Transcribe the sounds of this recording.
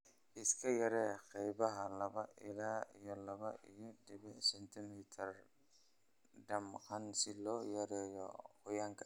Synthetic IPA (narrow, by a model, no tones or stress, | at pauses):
ʔɪskʰɐjɐɾɛːqɛjβɐɦɐlɐβɐʔɪlaːijɔlɐβɐʔijɔdɪβɪħsɛnt̪ʰɪmit̪ʰɐr | ɖɐmqɐnsɪlɔːjɐɾɛːjɔ̰hʊjaːŋkʰɐ̥